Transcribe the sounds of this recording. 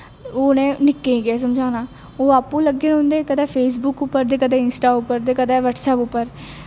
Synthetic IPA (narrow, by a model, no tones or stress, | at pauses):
oːnẽːnɪkːeːĩːɡɛːs̬əmd͡ʒʱaːnãː | oːaːpːũːləɡːeːnɦʊ̃nd̪eːkəd̪ɛːpʰeːs̬bʊkʊpːəɾd̪eːkəd̪ẽːɪnsʈaːʊpːəɾd̪eːkəd̪ɛːʋəʈsɛːpʊpːəɾ